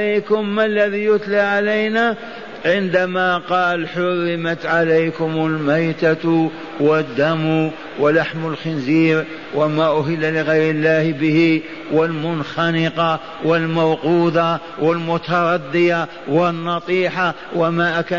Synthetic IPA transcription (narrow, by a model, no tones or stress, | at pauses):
ajkʊmːalːæðijʊt̪laʕalajna | ʕɪnd̪amaqɑːlħʊrːɪmat̪ʕalajkʊmʊlmajt̪a | wɪd̪ːamu | wɪlaħmʊlxɪnziːɾ | wamaʔʊɦɪlːalɪɣajɾɪlːaːhbəhi | wɪlmʊnxɑnɪqɑ | wɪlmawquːd̪a | wɪlmʊt̪ɑɾˤɑd̪ːɪja | wɪnːɑt̪ˤiːħa | wamaʔaka